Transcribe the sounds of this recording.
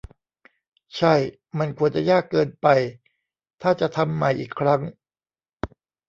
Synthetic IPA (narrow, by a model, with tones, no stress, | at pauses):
t͡ɕʰa˥˩j | ma˧nkʰu˧ənt͡ɕa˨˩jaː˥˩kːɤː˧npa˧j | t̪ʰaː˥˩t͡ɕa˨˩t̪ʰa˧mːa˨˩jʔiː˨˩kʰːɾa˦˥ŋ